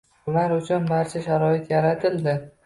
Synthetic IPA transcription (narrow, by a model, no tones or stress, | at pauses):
maɾʊt͡ʃʰʊnbaɾt͡ʃʰaʃaɾɒɪt̪jaɾat̪ʰɪld̪ɪ